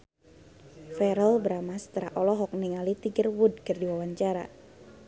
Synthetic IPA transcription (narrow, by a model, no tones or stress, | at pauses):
fɛɾɔlbəɾamast̪əɾa̰ʔɔlɔɦɔk̚niŋalit̪iɡərwudkɨrdiwawaɲt͡ʃaɾa̰